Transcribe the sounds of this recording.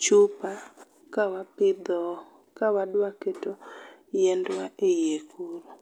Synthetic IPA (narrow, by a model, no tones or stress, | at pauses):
t͡ʃupa | kawapɪd̪ɔ | kawaɗwaketo | jɛndwaejekʰuɾo